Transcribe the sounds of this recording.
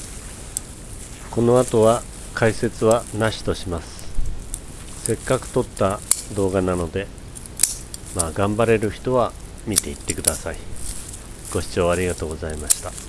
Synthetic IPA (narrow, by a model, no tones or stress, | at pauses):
ko̞no̞at̪o̞βa | kʰaise̞t͡sɨβanaɕi̥t̪o̞ɕimasɨ̥ | se̞kːakɯ̟̥t̪o̞t̪ːad̪o̞ːɡanano̞d̪e̞ | maːɡãmbaɾe̞ɾɯ̟çi̥t̪o̞βa | mʲit̪e̞it̪ːe̞kɯ̟d̪asai | ɡ̥o̞ɕi̥t͡ɕo̞ːaɾʲiɡat̪o̞ːɡo̞zaimaɕi̥t̪a